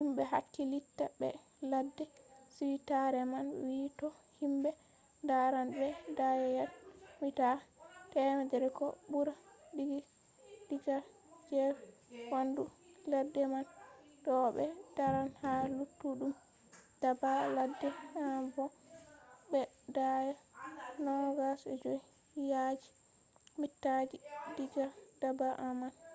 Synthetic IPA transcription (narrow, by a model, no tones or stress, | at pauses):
himbɛɦa̰kːilitːabɛ̰ | ladːɛsiwitaɾɛmanwitɔhimbɛ | daɾanbɛdajɛjatwitatɛmadɛɾkɔ̰buɾabiɡi | diɡa | d͡ʒɛ | wanduladːɛman | ɗɔɓɛd̥aɾanhalutːuɗum | d̥abaladːɛamvɔ | bɛ | dajanɔɡasɛ̰d͡ʒoi | jad͡ʒi̥ | mitːad͡ʒidid͡ʒad̥abaʔaman